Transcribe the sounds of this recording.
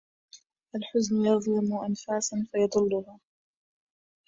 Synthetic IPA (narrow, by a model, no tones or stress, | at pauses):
ʔalħʊznʊjɑðˤlɪmʊʔanfaːsanfajɑd̪ˤɨlːʊɦaː